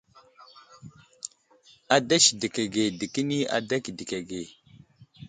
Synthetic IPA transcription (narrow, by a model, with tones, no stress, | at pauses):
a˨da˦ʃi˨di˨ke˨ɡe˨di˨ki˦ni˦a̰˨da˦ki˨di˨ke˨ɡe˨